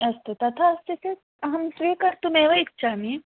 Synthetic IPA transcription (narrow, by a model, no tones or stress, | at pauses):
ɐst̪ut̪ɐt̪ʰaɐst̪ise | ɐɦɐmsɾiːkɐɾt̪umeːʋɐit̚ːt͡ʃaːmi